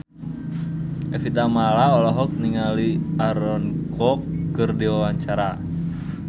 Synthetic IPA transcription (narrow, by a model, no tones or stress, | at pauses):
ɛfit̪amalaɔlɔɦɔk̚niŋaliaɾɔnkɔkːɨrdiwawaɲt͡ʃaɾa